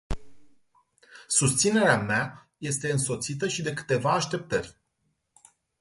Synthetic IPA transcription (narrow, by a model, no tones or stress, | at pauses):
sust̪sine̞ɾeama | je̞st̪e̞ɨnso̞t̪sit̪̬əʃid̪e̞kɨ̥t̪e̞vaːʃt̪e̞p̚t̪ərʲ